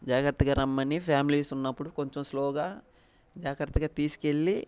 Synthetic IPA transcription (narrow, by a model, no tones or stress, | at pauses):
d͡ʒaːɡɾɐt̪ːɐɡɐɾɐmːɐnipʰjaːmiliːsunːɐpːuɽuko̞ɲt͡ʃomslɔːɡaː | d͡ʒaːkɐɾɐt̪ːɐɡaːt̪iːsi̥ke̞lːi